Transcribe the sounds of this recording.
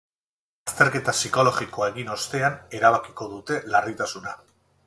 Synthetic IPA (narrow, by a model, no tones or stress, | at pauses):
ast̪e̞ɾke̞t̪asiko̞lo̞ɣiko̞e̞ɣino̞st̪e̞ane̞ɾaβ̞akiko̞ðut̪e̞larit̪asuna